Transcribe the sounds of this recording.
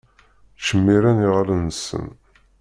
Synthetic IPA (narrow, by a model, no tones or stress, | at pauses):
t͡ʃːəmːiɾæniʁlənsə̰n